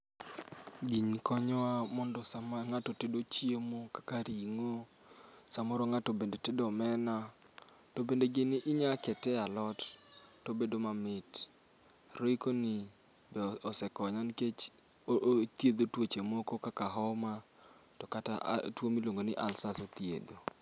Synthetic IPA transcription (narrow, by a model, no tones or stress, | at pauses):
ɡiɲkɔɲɔamɔndɔsamaŋatɔtedot͡ʃiemokḁkaɾiŋo | samɔɾoŋatobendetedɔmɛna | tobendeɡɪnɪʔɪɲakɛtɛalɔttobedomamɪt | roikonɪ | bɛɔsɛkɔɲanket͡ʃ | t̪jed̪otwot͡ʃemokokakaɦɔma | tɔkata̰ʔtwomiloŋɡonɪʔalsasot̪jḛd̪o